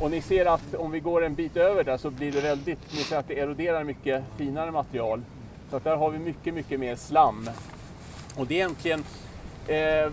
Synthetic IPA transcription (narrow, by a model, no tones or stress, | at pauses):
ɔnɪseːɾat̪ɔmvɪɡoːɾɛnbiːt̪øːvəɖæʂɔblɪɖɛvɛld̪ɪt̪nɪseːɾat̪̚d̪ɛɛɾʊd̪eːɾaɾmʏkːəfiːnaɾəmat̪ɾɪɑːl | sɔat̪̚d̪æɾɦaɾvɪmʏkːəmʏkːəmeːɾslamː | ɔd̪ɛjɛnt̪ʰlɪɡən